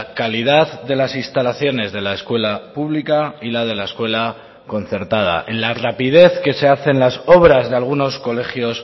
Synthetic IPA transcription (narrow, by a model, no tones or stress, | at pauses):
kalið̞aððe̞lasinst̪alaθjo̞ne̞zðe̞laeskwe̞lapuβlikailað̞e̞lae̞skwe̞la | ko̞n̟θe̞ɾt̪að̞a̰ʔenlarapið̞e̞θke̞se̞aθe̞nlaso̞βɾazðe̞alɣ̞uno̞sko̞le̞xjo̞s